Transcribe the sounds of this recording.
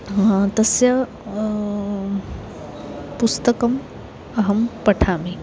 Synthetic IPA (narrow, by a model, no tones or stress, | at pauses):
t̪ɐsjɐ | pust̪ɐkɐm | ɐɦɐmpɐʈʰaːmi